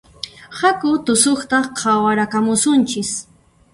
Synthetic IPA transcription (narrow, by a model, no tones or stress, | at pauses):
hakʊt̪ʊsoχt̪aqʰawaɾakamʊsʊnt͡ʃɪs